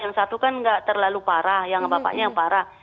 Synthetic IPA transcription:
jaŋsat̪ukanŋɡaʔt̪ərlalupaɾahjaŋbapa̰ʔɲaŋpaɾah

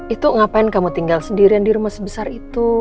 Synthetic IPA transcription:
it̪uŋapaɪnkamut̪iŋɡalsəndiɾiandiɾumasəbəsarit̪u

